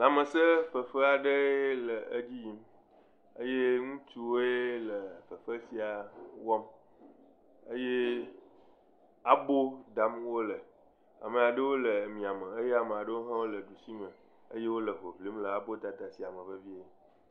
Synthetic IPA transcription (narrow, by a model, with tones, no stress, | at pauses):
nã˨mə˨sə˦fə˨fə˦a˨ɖə˦lə˨ə˦d͡ʑi˦ji˦m | ə˦je˦ŋũ˦t͡ʃu˦wo˦e˦lə˨fə˨fə˦si˨a˨wɔ˦m | ə˦je˦ | a˨bo˦d̪a˦mwo˦lə˨ | a̰˨mə˨a˨ɖə˦wo˦lə˨mĩ˨a˨mə˨ə˦je˦a˨me˨a˨ɖə˦wo˦ɦã˦wo˦lə˨ɖu˨si˦mə̃˨ | ə̰˦je˦wo˦lə˨ɦo˨vli˨˦mlə˨a˨bo˦d̪a˨t̪a˨si˨a˨mə̃˨ɸə˦vi˦e˨